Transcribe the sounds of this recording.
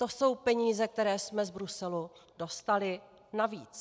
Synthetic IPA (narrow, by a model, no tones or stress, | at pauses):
t̪o̞so̞wpɛɲiːzɛk̚t̪ɛɾɛːsmɛzbɾusɛludo̞st̪alɪ | navḭːt͡s